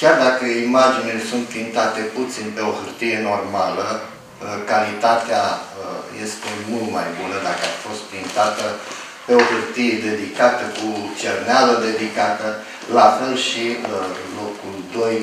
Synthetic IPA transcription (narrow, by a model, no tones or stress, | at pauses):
kʲjard̪akəimad͡ʒinilesunt̪fint̪at̪e̞put̪sinpe̞o̞hɨrt̪ije̞no̞rmalə | kalit̪at̪eaəje̞st̪e̞mult̪majbunəd̪akəafo̞st̪fint̪at̪ə | pe̞ohɨrt̪ijed̪e̞d̪ikat̪əkut͡ʃernealəd̪e̞d̪ikat̪ə | lafe̞lʃiəlo̞kuld̪o̞j